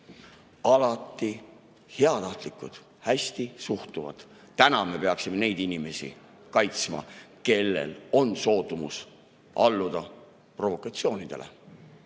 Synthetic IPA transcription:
ɑlɑt̪ːˑi | heɑt̪ɑht̪likːˑud̪̥ | hæsʲt̪isuht̪uvɑ̰d̪̥ | t̪ænɑme̞pe̞ɑksime̞ne̞jd̪̥inime̞sḭ | kɑjt̪smɑ̰ke̞lːe̞̰lo̞nso̞ːt̪ːˑumus | ʔɑ̰lːud̪̥ɑ | pro̞vo̞kˑɑt̪sio̞ːnid̪̥e̞lḛ

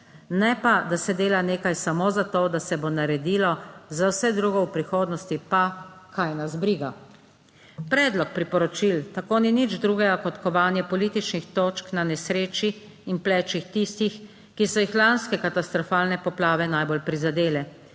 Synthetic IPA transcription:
nɛpad̪asɛd̪eːlaneːkajsamozat̪oːd̪asɛbonaɾɛd̪iːlɔzawsɛd̪ɾuːɡɔwpɾixoːd̪nɔst̪ipakʰajnazbɾiːɡa | pɾɛːd̪lɔk̚pɾipɔɾɔt͡ʃilt̪akoninid͡ʒd̪ɾuːɡɛɡakɔt̪kɔʋaːnjɛpɔlit̪it͡ʃnixt̪oːt͡ʃknanɛsɾeːt͡ʃiː | nplɛːt͡ʃixt̪ist̪ix | kisɔjixlanskɛkat̪ast̪ɾɔfaːlnɛpɔplaːʋɛnajbolpɾizad̪eːlɛ

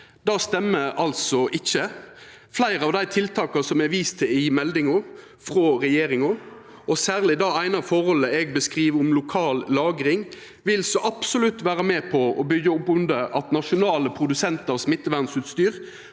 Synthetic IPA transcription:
d̪ɑːst̪ɛmːəɑlsɔʔɪçːə | flæɪɾəɑʋd̪æɪt̪ʰɪlt̪ʰɑːkɑsɔmɛʋiːst̪ʰɪɪmɛld̪ɪŋʊ | fʁoːɾɛjeːɾɪŋʊ | ʔɔsæːʁlɪd̪ɑːæɪnɑfɔʁhɔlːəɛɡbəskʁiːʋɔmlʊkʰɑːlːɑːɡɾɪŋ | ʋɪlsɔʔɑpsʊlʉt̪ːʋæːɾəmeːpʰɔɔbʏɡːəʊpːʉnd̪əʔɑt̪nɑʂʊnɑːləpʰɾʊd̪ʉsɛnt̪ɑʁsmɪt̪ːəʋænsʉːt̪st̪yːʁ

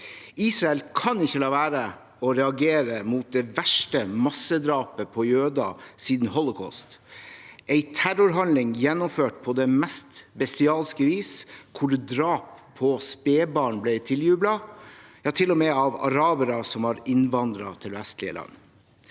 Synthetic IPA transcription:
iːsɾɑɛlkʰɑnɪçːəlɑːʋæːɾə | ɔɾɛɑɡeːɾəmuːt̪̚d̪ɛʋæʂʈəmɑsːəd̪ɾɑːpəpʰɔjøːd̪ɑ̰siːd̪n̩hɔlɔkʰɔ̰st̪ | ʔæɪt̪ʰæɾʊɾɦɑnlɪŋjɛnːɔmføːʈpʰɔd̪ɛmɛst̪bɛst̪ɪɑːlskəʋiːskʰʊɖd̪ɾɑːpʰːɔspeːbɑːɳblæɪt̪ʰɪljʉːblɑjɑːt̪ʰɪlɔmɛɑʋɑ̰ɾɑːbəɾɑsɔmɑɾɪnʋɑnd̪ɾɑ̰t̪ʰɪlʋɛst̪lɪə̰lʔɑ̰nː

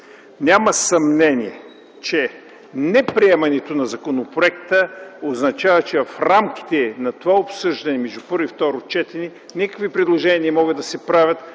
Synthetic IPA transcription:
nʲamɐsɐmnɛniɛ | t͡ʃɛ | nɛpɾiɛmɐnɛt̪onɐzɐkonopɾoɛkt̪əoznɐt͡ʃavət͡ʃɛvɐfɾamk̟i̥t̪ɛnɐt̪ovaopsɤʒd̪ɐnɛmɛʒd̪upɤɾift̪ɔɾot͡ʃɛt̪ɛnʲi | nʲikə̥kvipɾid̪lˠoʒɛniəmɔɡəd̪ɐsɛpɾavʲət̪

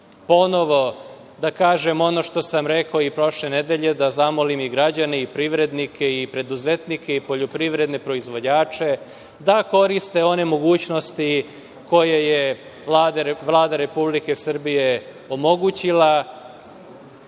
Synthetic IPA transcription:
po̞no̞ʋo̞ | d̪akaːʒe̞mo̞no̞ʃt̪o̞samɾekoipɾo̞ʃle̞ne̞d̪e̞ʎe̞d̪azamo̞limiɡɾad͡ʑaneipɾiʋɾe̞d̪nikʰe̞ipɾe̞d̪uzet̪nike̞ipo̞ʎo̞pɾiʋɾe̞d̪ne̞pɾo̞izʋo̞d͡ʑaːt͡ʂe̞ | d̪ako̞ɾist̪e̞o̞ne̞mo̞ɡuːt͡ɕno̞st̪i | ko̞jeje | lad̪ʋlˠaːd̪aɾe̞publike̞sr̩bije̞ | o̞mo̞ɡut͡ɕila

